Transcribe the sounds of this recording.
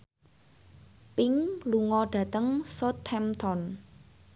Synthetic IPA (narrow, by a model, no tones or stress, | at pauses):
pɪŋluŋɔɖ̥ä̤t̪əŋsot̪ʰɛmt̪ʰɔn